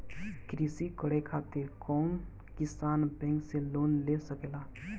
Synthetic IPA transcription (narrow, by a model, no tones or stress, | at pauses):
kɾisikəɽekʰaːt̪ekɔːn | kɪsaːnbɛ̃ːŋkseloːnlesəkelaː